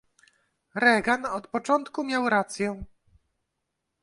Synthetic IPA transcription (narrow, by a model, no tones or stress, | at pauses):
ɾɛɡanɔt̪pɔt͡ʂɔnt̪kumʲjawɾat̪sʲjɛ